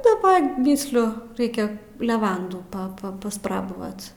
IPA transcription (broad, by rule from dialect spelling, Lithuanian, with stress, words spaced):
dɐˈbɐ ˈmʲiːsʲlʲʊ ˈrɐɪkʲɛ lʲɛˈʋɐnduː pɐ pɐ pɐsˈprɑːbɐʋɐt